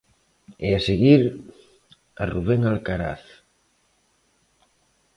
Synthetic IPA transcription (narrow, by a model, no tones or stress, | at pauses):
ɛaseɣiɾ | aruβ̞eŋalkaɾa̰θ